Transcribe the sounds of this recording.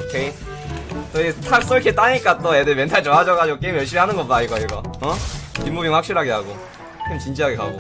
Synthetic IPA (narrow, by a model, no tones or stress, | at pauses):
okʰe | t͈ʌitʰas͈ɯikʰet͈aɲik͈at͈oedɯmjʌntʰaɭt͡ɕʌŋɦad͡ʑʌɡad͡ʑiɡok͈e̞imjʌɭɕ͈imiɦanɯnɡʌpodaiɡʌiɡʌʌpimːubiŋɸwak̚ɕ͈iɾɦaɡeɦaɡo | k͈eimt͡ɕind͡ʑiɦaɡeka̰ɡo